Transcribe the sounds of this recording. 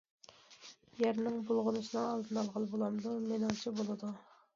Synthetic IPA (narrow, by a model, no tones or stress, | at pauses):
jæɾnɪŋbolˠʁʊnɨʃnɨŋɑlˠd̪ɨnɑlˠʁəlˠbolˠɑmd̪umenɑŋt͡ʃʰibolˠɨd̪u